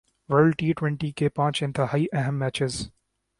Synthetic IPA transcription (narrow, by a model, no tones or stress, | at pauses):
ʋəɾlʈiːʈwɛ̃ɳʈikepãːt͡ʃɪ̃nt̪ʰəɦaiʔɛɦɛ̃mːæːt͡ʃɪz